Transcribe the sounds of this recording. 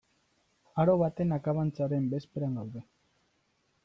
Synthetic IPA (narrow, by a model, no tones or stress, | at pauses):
aɾo̞βat̪e̞nakaβant͡saɾe̞mbe̞speɾaŋɡawðe̞